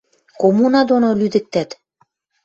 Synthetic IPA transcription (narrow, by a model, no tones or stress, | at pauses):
komunɑd̪onolyd̪ɘ̆k̚t̪æt̪